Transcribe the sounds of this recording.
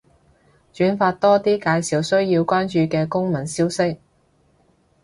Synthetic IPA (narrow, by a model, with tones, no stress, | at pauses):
t͡ʃyː˨˥nfaː˧t̚t̪ɔː˥t̪iː˥kaː˧jsiː˨wsɵ˥ɥjiː˧wkʷaː˥nt͡ʃyː˨kɛː˧kʊ˥ŋmɐ˨˩nsiː˥wsɪ˥k̚